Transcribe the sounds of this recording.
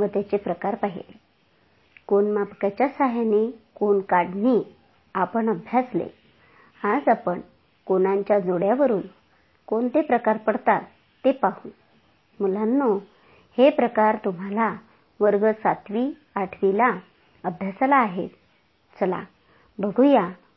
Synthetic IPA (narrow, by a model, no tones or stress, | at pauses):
ʋət̪jat͡ɕepɾəkaɾpaɦḭle | koɳmapkat͡ɕjasaɦjanekonkaɽɳi | apəɳəbʱjaslḛ | ad͡zapəɳ | konaɲt͡ɕjad͡zoɽjaʋəɾuːl | koɳt̪epɾəkaɾpəɽt̪at̪ː | epaɦũ | mulanːo | hepɾəkaɾt̪um̤ala | ʋəɾɡəsat̪ʋi | aʈʰʋila | əbʱjaslaːɦet̪ | t͡səla̰ | bəɡʱuja